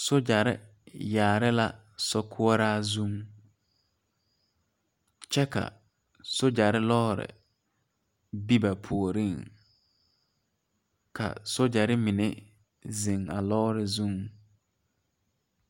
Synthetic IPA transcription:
sʊ˦d͡ʒa˨ɾɪ˦ | jaː˨ɾɪ˦la˦ | sɔ˦kʰʊ˦ɔ˦ɾaː˦zũ˦ŋ | t͡ʃɛ˦ka̰˨ | sʊ˦d͡ʒa˨ɾɪ˦lɔ˦ɾɪ̰˨ | bi˦ba˨pʰu˨o˨ɾi˦˨ŋ | kʰa̰˨sʊ˦d͡ʒa˨ɾɪ˦mɪ˨ne˦ | zi˨ŋa˨lɔː˦ɾɪ˨zũ˦ŋ

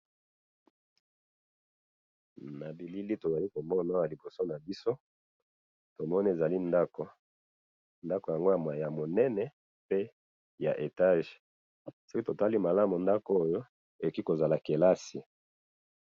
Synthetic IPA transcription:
na˨bi˨li˦li˦to˨za˨li˦ko˨mɔ˦na˦ja˨li˨bo˨so˦na˨bi˦so˦ | to˨mɔ˦ni˦e˨za˨li˦nda˦ko˨ | nda˦ko˨ja˨ŋɡo˦ja˨m˨a˨ja˨mo˨nɛ˦nɛ˨ | pe˦ | ja̰˨ʔe˨ta˦ʒ | so˦ki˦to˨ta˦li˦ma˨la˦mu˨nda˦ko˦jo˦ | e˨o˨ki˦ko˨za˨la˨ke˨la˦si˨

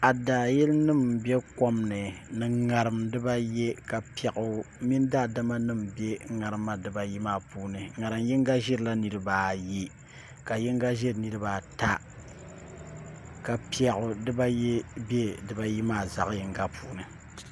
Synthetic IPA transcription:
a˨da˨jɛ˦lnɨ˦˨mbɛ˦ko˦mnɨ˨nɨ˨ŋa˨ɾɨ˨mdɨ˦ba˦je˦ka˨pi˦ɛ˨ʔʊ˦mi˦n˦da˦˨da˦ma˦nɨ˦mbe˦ŋa˨ɾɨ˦ma˦dɨ˨ba˦ji˦maː˦puː˦nɨ˨ŋa˨ɾɨ˨mjɛ˦ŋ˦ɡa˦ʒɛ˦ɾɨ˨la˦nɨ˨ɾɨ˦baː˨je˦ | ka˨jɛ˦ŋ˦ɡa˦ʒe˦ɾnɨ˦ɾɨ˦baː˨ta˦ | ka˨pi˦ɛ˨ʔʊ˨dɨ˦ba˦je˦be˦dɨ˨ba˦ji˦maː˦˨za̰˨ʔjɛ˨ŋɡa˦pʰuː˦nɨ˨

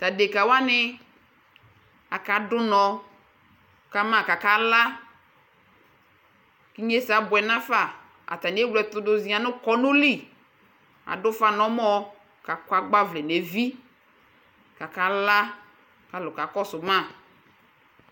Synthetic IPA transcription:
ta˨de˨ka˨wa˦nɪ˦ | a˨ka˨˦dʊ˦nɔ˨ | ka˨˦mã˦˨ka˨ka˨˦la˦ | ki˦ɲe˦sa˨bʊ˨ɛ˨nã˦fa˦˨ | a̰˨ta˨n˨˦e˦wlɛ˨t̪ʊ˨˦dʊ˨zĩ˨˦a˨˦nʊ˦kɔ˦nʊ˦li˦˨ | a̰˨dʊ˦fa˦˨nɔ˨˦mɔ˦ | ka˨ka˨ɡ͡ba˦vlɛ˨ne˨vi˦ | ka˨ka˨˦la˦ | ka˨lʊ˨ka˨kɔ˦sʊ˨mã˦˨

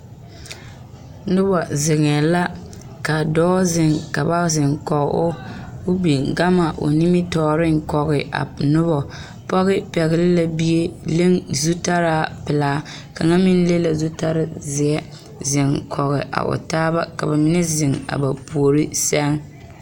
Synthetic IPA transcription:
nʊ˦bɔ˨zɪ˨ŋɛ˨la˦ | ka˨dɔː˦zɪ˨ŋka˨ba˦zɪ˨ŋkɔ˨ɣ̰ʔo˦ʊ˦bi˨ɡa˦ma˨ʔo̰˨ni˦mi˦tɔː˨ɾɪ˦ŋ˨kɔ˨ɣɪ˨ʔa̰˨nʊ˦bɔ˨ | pɔ˦ɣɪ˦pɛ˨ɣɪ˨lɪ˦la˦bi˦e˦le˦ŋzu˦ta˦ɾaː˦pɪ˨laː˦ | ka˨ŋa˦mi˦n˦le˦la˨zu˦ta˦ɾɪ˦zɪ˨ɛ˦ | zɪ˨ŋkʰɔ˨ɣɪ̰˨ʔa̰˨ʔo̰˨taː˦ba˦ka˨ba˨mɪ˦nɛ˦zɪ˨ŋa̰˨ba˨pu˨o˨ɾi˦sɛ˦ŋ

